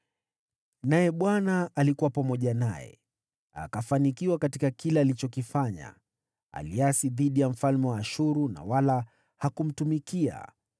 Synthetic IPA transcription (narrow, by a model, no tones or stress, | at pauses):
najɛɓwanaːlikuwapamɔʄanajɛ̰ | a̰kafanikiwakatikakilɛalit͡ʃɔkifaɲa̰ | a̰liasiðiɗijam̩falmɛwaːʃuɾuna̰wala | hakum̩tumikia̰